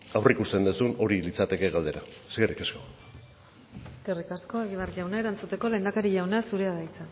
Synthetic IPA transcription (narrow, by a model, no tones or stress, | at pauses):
awrikust̪e̞nd̪usuno̞ɾilit͡sat̪e̞ke̞ɣald̪e̞ɾaeske̞rikasko | eske̞rikasko̞e̞ɣiβarʎawnae̞ɾant͡sut̪e̞ko̞le̞ːnd̪akaɾiʝawnasuɾe̞aðajt͡sa